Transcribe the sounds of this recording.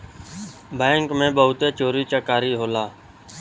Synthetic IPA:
beːŋkmẽːɓəɦʊt̪eːt͡ʃoːɾiːt͡ʃəkaːɾiːɦoːlaː

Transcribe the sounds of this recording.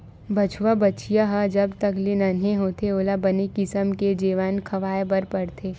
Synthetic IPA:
bɐt͡ʃʰʋabɐt͡ʃijaɦad͡ʒɐbt̪ɐklenaneɦoːt̪eoːlabɐnekɪsəmked͡ʒiːʋaːnkʰɐʋaːebɐɾpɐɽt̪ʰeː

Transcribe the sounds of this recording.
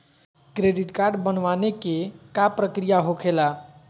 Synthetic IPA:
kɾeɖiʈkaɾɖbənʋanekekapɾəkɾijaɦokʰela

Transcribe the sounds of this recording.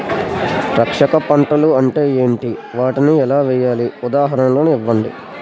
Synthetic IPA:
ɾɐkʂɐkɐpɐɳʈɐluɐɳʈe̞ːe̞ːɳʈiʋaːʈiniɛlaːʋɛːjaːliud̪aːɦɐɾɐnlo̞ːnuiʋːɐɳɖḭ

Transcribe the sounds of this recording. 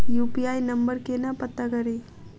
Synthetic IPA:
jupiajnəmbəɾkenapət̪ːakəɾi

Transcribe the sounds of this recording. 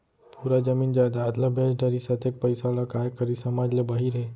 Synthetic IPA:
puːɾad͡ʒɐmiːnd͡ʒaːd̪aɐt̪ləbʱẽːsɖəɾisɐt̪ek̚pɐɪsalakaːjkəɾisɐmaːd͡ʒlebaɦiɾɦɛː

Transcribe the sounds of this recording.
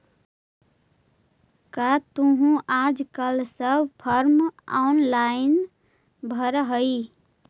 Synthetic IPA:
kat̪uɦũʔad͡ʒkəlsəbʱpʰəɾma̰wnlajn | bʱəɾɦəɪ

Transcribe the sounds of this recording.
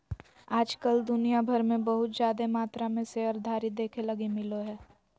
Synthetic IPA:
aːd͡ʒkəld̪ʊnijabʱɐɾmẽbɐɦʊt̪zjaːd̪emaːt̪ɾamẽseɐɾd̪ʱaːɾid̪eːkʰelɐɡimɪloɦɛː

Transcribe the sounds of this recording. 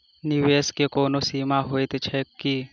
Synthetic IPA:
nɪʋeːskekoːnosiːmaɦoet̪et͡ʃʰɛkːi

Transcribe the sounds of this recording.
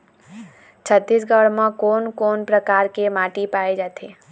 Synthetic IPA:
t͡ʃʰət̪ːiːs̬ɡəɽmãkoːnkoːnpɾəkaːɾkemaːʈipaːed͡ʒaːt̪ʰeː

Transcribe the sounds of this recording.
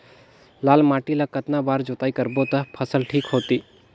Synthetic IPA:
laːlmaːʈilakət̪nabaːɾd͡ʒoːt̪aːikəɾbot̪apʰəsəlʈʰiːkɦoːt̪iː

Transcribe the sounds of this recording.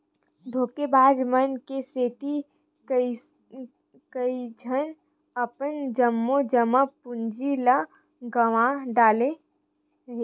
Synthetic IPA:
d̪ʱoːkebaːd͡ʒmənkeseːt̪i | kəid͡ʒʱən | ɐpənd͡ʒəmːod͡ʒəməpʊnd͡ʒila | ɡəʋãɖaːle | ɦe

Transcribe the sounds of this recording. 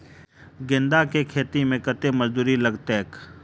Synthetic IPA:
ɡɪ̃nd̪aːkekʰeːt̪imẽkət̪eməzd̪uːɾiləɡt̪eːk

